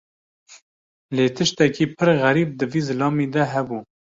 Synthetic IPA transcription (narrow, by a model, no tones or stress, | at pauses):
leːt̪ʰɨʃt̪ɛkiːpʰɨɾɣæɾiːb̚d̪ɨviːzɨlɑːmiːd̪ɛɦɛbu